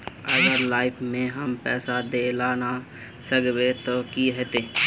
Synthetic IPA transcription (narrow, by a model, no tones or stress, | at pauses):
əɡəɾlaːɪpʰmẽɦəmpɛ̰ːsad̪elaːna | səɡʋet̪okiɦɛt̪eː